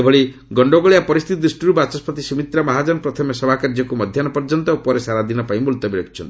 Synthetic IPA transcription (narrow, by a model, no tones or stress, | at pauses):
ebʱɔɭi | ɡɔɳɖoɡɔɭijapɔɾist̪ʰit̪id̪ɾisʈiɾubat͡ʃɔspʰɔt̪isimit̪ɾamaɦad͡ʒɔnɔpɾɔt̪ʰɔmjɔsɔbʱakaɾd͡ʒɔkumɔd̪ʱjanɔpɔɾd͡ʒɔnt̪ɔupɔɾesaɾad̪inɔpaĩmulɔt̪ɔbiɾɔkʰi̥t͡ʃʰɔnt̪i̥